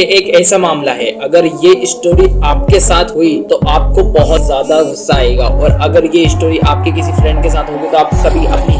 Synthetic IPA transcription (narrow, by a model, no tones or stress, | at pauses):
eʔeːkɛːsamaːmlaɦɛɐɡəɾjeʔɪsʈoːɾiaːp̚kesaːt̪ʰɦoit̪oʔaːp̚kobɐɦʊt̪zjaːd̪aɡʊsːaːeːɡa̰ːʔɔːɾɐɡəɾjeɪsʈoːɾiʔaːp̚kekɪsifɾɛ̃ɳɖ̚kesaːt̪ɦoːɡet̪oaːp̚kɐbʱiʔɐpni